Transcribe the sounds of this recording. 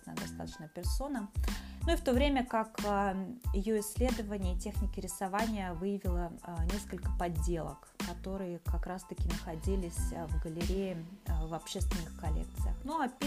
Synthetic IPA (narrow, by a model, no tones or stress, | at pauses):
nə̰d̪ɐst̪a̰t̪ə̥t͡ɕnəpʲɪrso̞nənuift̪ovɾʲemʲəkakəjɪjo̞ɪsʲːlʲe̞d̪əvənʲɪjətʲe̞xnʲɪkʲɪɾʲɪsɐvanʲɪjəvɨjəvʲɪlˠənʲe̞skəlʲkə̥pɐdʲːe̞lˠə̰k | kːɐt̪o̞ɾɨjəkɐkɾast̪əkʲɪnəxɐdʲilʲɪsʲvɡəlʲɪɾʲejɪvɐpɕːest̪vʲɪnːɨxkɐlʲḛk̚t̪sɨjə̰xnuapʲ